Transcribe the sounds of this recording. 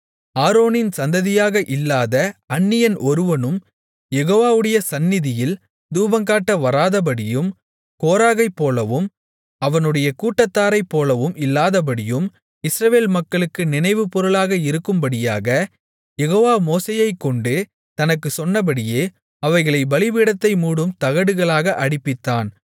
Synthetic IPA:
aːɾoːnɪnsɐnd̪ɐðɪjaːɣɐʔɪlːaːðɐɐnːɪjɐnʔɔɾɯʋɐnɯm | jɛɣoːʋaːʋɯɽɐjɐsɐnːɪðɪjɪl | d̪uːbɐŋkaːʈːɐʋɐɾaːðɐp̬ɐɽɪjɯm | koːɾaːɣɐɪpːoːlɐʋɯm | ɐʋɐnɯɽɐjɐkuːʈːɐt̪ːaːɾɐɪpːoːlɐʋɯmɪlːaːðɐb̬ɐɽɪjɯm | ɪsɾɐʋeːlmɐkːɐɭɯkːɯnɪnɐɪʋɯpɔɾɯɭaːɣɐɪɾɯkːɯmbɐɽɪjaːɣɐ | jɛɣoːʋaːmoːseːjɐɪkːɔɳɖɯ | t̪ɐnɐkːɯsɔnːɐp̬ɐɽɪjeː | ɐʋɐɪɣɐɭɐɪbɐlɪbɪɽɐt̪ːɐɪmuːɽɯmt̪ɐɣɐɽɯɣɐɭaːɣɐʔɐɽɪpːɪt̪ːaːn

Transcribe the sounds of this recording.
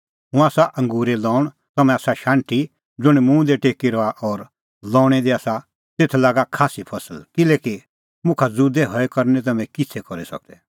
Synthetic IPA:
ɦʊ̃aːsaʔɐ̃ŋɡuːɾelɔːʊɽ̃ | t̪ɐmɛ̃aːsaʃãːɳʈi | d͡zʊɽ̃mũːd̪eʈeːkiɾɔaʔɔːɾ | lɔ̃ːɽ̃ɛd̪eaːsa | t̪eːt̪ʰlaːɡakʰaːsipʰɐsəlkɪleːki | mʊ̃kʰad͡zuːd̪ɛɦɔekɐɾnɛt̪̬ɐmɛ̃kɪt͡sʰɛkɔɾisɐ̰k̚d̪ɛ

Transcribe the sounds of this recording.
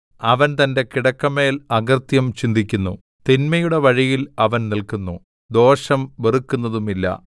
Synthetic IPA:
ɐʋɐnt̪ɐnde̞kiɽɐkːɐmːe̞ːlɐɡɐrt̪jɐmt͡ɕind̪ikʲːunːu | t̪inmɐjuɽe̞ʋɐɻijilɐʋɐnnilkunːu | d̪o̞ːʂɐmʋerukːunːɐðumilːɐ̰

